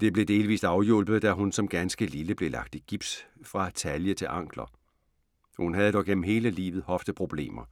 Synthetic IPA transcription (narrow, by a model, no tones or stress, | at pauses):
d̥e̝b̥le̝d̥e̝ːlʋḭːsɑ̈ʊjol̰b̥ð̩ˠd̥æɦunsɒ̽mɡ̥ænsɡ̥əliləb̥le̝lɑ̈ɡ̥̚d̥iɡ̥ib̥sfʁɑ̈t͡sʰæljət͡sʰe̝lʔɑ̈ŋ̰ɡ̥lɐ | hunɦæð̞ˠd̥ɒʊɡ̥en̰m̩ɦe̝ːləlḭːʋð̞̩ˠhɒ̽fd̥əð̩ˠpʰʁo̝b̥le̝̰ːmɐ